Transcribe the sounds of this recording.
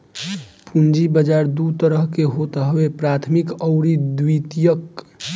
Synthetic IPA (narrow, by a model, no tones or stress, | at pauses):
pund͡ʒibəd͡ʒaɾd̪ut̪əɾəɦkeɦot̪ɦwepɾat̪ʰmikəʊɾid̪wit̪ijək